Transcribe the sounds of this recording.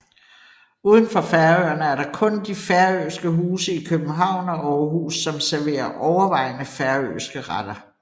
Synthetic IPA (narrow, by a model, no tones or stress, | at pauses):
uːð̞ˠən̩fɒ̽fæɐøɐnəæɐɾɑ̈kʰɔ̽nd̥ifæɐøːsɡ̥əɦuːsəikʰøb̥n̩ɦɑ̈ʊ̰nɒʔɒɦuːsːɒ̽msæɐʋe̝̰ːɐʔɒʊɐʋɑ̈ɪ̰nəfæɐø̰ːsɡ̥əʁɑd̥ɐ